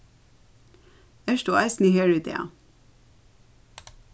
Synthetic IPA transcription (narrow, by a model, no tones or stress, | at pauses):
æʃtuːʔæɪsn̩iheːɹʉːt̪ḛːɑ̰